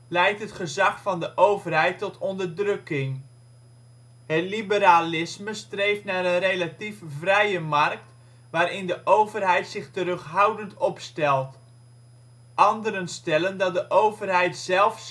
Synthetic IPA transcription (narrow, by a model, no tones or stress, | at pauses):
lɛjtɦətχəzɑχfɑndəʔowvərɦɛjtːɔtʰɔndərdrɵkɪŋ | hətlibəɾaːlɪsməstrejftnaːɾənrejlatifvrɛjəmɑrk̚t | ʋaːɾɪndəʔowvərɦɛjtsɪχtərɵχɦawdəntɔpstɛlˠt | ʔɑndəɾənstɛləndɑt̚dəʔowvərɦɛjtsɛlˠf